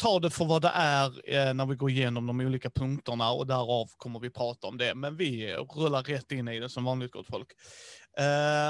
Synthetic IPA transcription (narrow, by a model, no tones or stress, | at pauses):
t̪ʰɑːɖ̪ɛfœɾvad̪ɛ̰ʔæɾnæɾvɪɡoːɾɪjeːnɔmd̪ɔmuːliːkapʰɵŋkt̪əɳaɔ̰d̪æɾɑvkʰɔmːəɾvɪpʰɾɑːt̪aɔmd̪ɛmɛnvɪɾɵlːaɾːɛt̪ːɪnːɪd̪ɛsɔmvɑːnlɪɡ̚ɪt̪ɡɔ̰t̪ːfɔlk